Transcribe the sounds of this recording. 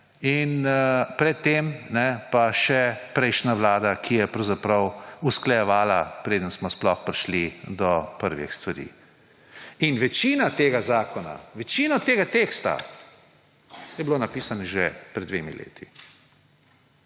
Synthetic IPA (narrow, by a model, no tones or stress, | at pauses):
inpɾɛt̪ːeːmnɛpaʃɛpɾɛjʃnaʋlaːd̪akʰijɛpɾɐwzapɾɐwusklajɛʋaːlapɾeːd̪ənsmɔsplɔxpɾiʃlid̪ɔpəɾʋɛ̰xst̪ʋaɾḭː | inʋɛt͡ʃiːnat̪eːɡazaːkɔna̰ʋɛt͡ʃiːnɔt̪eːɡat̪eːkst̪a̰ | jɛbloːnapiːsanɛʒɛpɾɛd̪d̪ʋeːmḭlḛːt̪ʰi